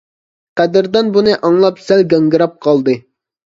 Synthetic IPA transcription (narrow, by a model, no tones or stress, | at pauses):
qɛd̪ɪɾd̪ɛnbunɨʔɑŋlˠɑpsælɡʲɑŋɡɨɾɑp̚qʰɑlˠd̪ɨ